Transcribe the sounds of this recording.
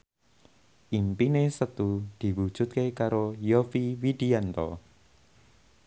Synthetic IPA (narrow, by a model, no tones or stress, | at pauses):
ʔimpinesət̪ud̪̥i̤wud̥ʒ̥ṳt̪̚kekaɾojofiwid̪̥iant̪ɔ